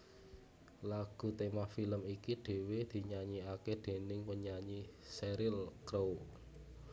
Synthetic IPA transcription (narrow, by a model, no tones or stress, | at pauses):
laɡ̥ṳt̪emafiləmikiɖ̥e̤wed̪̥i̤ɲaɲiakeɖ̪̥e̤nɪŋwəɲaɲiseɾɪlkɾow